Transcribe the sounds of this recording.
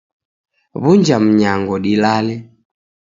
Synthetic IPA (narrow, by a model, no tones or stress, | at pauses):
βuɲd͡ʒam̩ɲaŋɡɔɗilalɛ